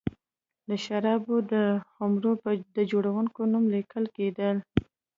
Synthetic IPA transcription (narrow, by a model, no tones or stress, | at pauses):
d̪əʃaɾɑbod̪əxʊmɾod̪əd͡ʒoɽawuŋkonumlikəlked̪əl